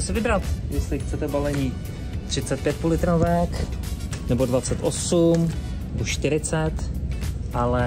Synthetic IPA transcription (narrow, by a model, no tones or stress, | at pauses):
ɛsɪvɪbɾat̪jɛst̪lɪxt͡sɛt̪ɛbalɛɲiː | t̪r̥ɪt͡sɛt̪̚pjɛt̪̚pulɪt̪ɾavɛk | nɛbodvat͡sɛt̪ʔosum | nɛboʃt̪ɪɾɪt͡sɛt̪ʔalɛ